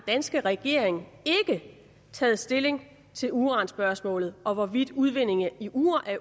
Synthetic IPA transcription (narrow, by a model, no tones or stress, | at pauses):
d̥ænsɡ̥əʁɛɡ̥e̝ɐeŋe̝ɡ̥ə | t͡sʰɛ̰ːð̩ˠsd̥e̝le̝ŋ | t͡sʰe̝luːʁɑ̈ːnsb̥ɶɐsmɔ̰̽ːlð̩ˠʔɒ̽ʋɒʋid̥uð̞ˠʋe̝ne̝ŋəiʔuːɐʔæɐ